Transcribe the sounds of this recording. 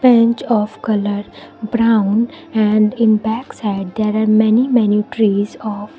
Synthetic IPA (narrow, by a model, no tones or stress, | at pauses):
bɛ̃nt͡ʃɔːfkʌləɾbɾãʊ̃n | ɛ̃ɳɖɪ̃nbɛksaɪɖ̚d̪eːɾaːɾmɛnimɛnjuʈɾiːzɔːf